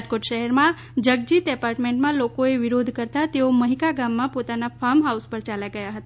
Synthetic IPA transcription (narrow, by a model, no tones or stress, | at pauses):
d͡ʒkoʈʃəɦɛɾmã | d͡ʒəɡ̚d͡ʒit̪ɛpaɾʈmẽɳʈmãlokoeʋɪɾod̪ʱkəɾt̪at̪eoməɦikaɡamːãpot̪anafaɾmɦauspəɾt͡ʃaljaɡəjaɦət̪a